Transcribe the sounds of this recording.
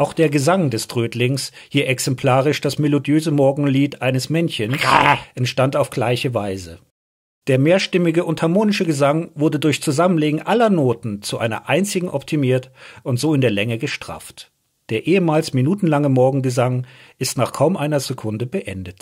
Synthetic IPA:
ʔaʊxd̥eːɐɡəzaŋdɛstʁ̥øːtlɪŋs | hiːɐʔɛksɛmpʰl̥aːʁ̞ɪʃd̥asmelodjøːzəmɔɐɡŋ̩liːtʔaɪnəsmɛnçənsʔɛntʃtantaʊfɡ̥laɪçəvaɪzə | d̥eːɐmeːɐʃtɪmɪɡəʔʊnthaɐmoːnɪʃəɡəzaŋvʊɐdədʊɐçt͡suzamənleːɡŋ̩ʔalɐnoːtn̩t͡suʔa̰ɪnɐ̰ʔaɪnt͡sɪɡŋ̩ʔɔptʰimiːɐtʔʊntz̥oːɪndeːɐlɛŋəɡəʃtʁ̥a̰ːft | d̥eːɐʔeːəmaːlsminuːtn̩laŋəmɔɐɡŋ̩ɡəzaŋʔɪstnaːχkʰaʊmʔaɪnɐzekʰʊndəbəʔɛ̰ndət

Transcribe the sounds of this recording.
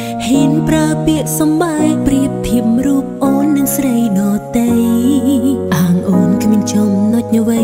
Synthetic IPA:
hiənpraəpiəʔ̚sɑmɓaɛjpriəp̚t̪ʰːiəp̚mruːəp̚ʔoːnːɨŋsrəjɗɑːt̪əj | ʔaːŋʔoːnkʰmiənt͡ɕomnoc̚nəʋə

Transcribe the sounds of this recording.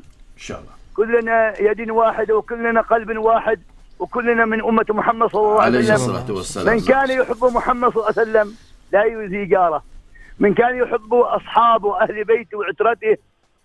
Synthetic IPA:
kʊlːnajad̪nwaːħɪd̪wkʊlːanaqɑlbnwaːħɪd̪ | wɪkʊlːnamɪnʔʊmːat̪mʊħamːad̪sˤɑlːɑlˤːɑːʕalsalːammɪnkaːnjɪħɪbːʊmʊħamːad̪ˤsˤɑlːʕsalːamlajzɪd͡ʒɑːɾˤɑmɪnkaːnjɪħɪbːʊʔɑsˤħɑːbwʔahlbeːt̪wʕɪt̪ɾɑt̪ɪh

